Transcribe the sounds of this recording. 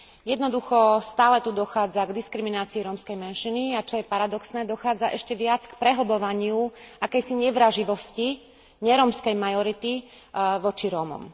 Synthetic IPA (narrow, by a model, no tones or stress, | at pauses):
jɛd̪nɔd̪uxɔst̪aːlɛt̪ud̪ɔxaːd͡zaɡd̪iskɾiminaːt͡siːɾɔmskɛjmɛnʃiniat͡ʃɔjɛpaɾad̪ɔksnɛːd̪ɔxaːd͡zaʔɛʃcɛʋɪat͡skpɾɛɦl̩bɔʋaɲɪuʔakɛjsiɲɛʋɾaʒiʋɔsci | ɲɛɾɔːmskɛjmajɔɾit̪i | ʋɔt͡ʃiɾɔːmɔ̰m